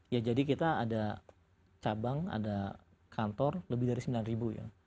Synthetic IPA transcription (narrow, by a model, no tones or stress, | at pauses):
jad͡ʒadikit̪aːda | t͡ʃabaŋa̰da | kʰant̪ɔrləbɪhdaɾisəmbilanribuja̰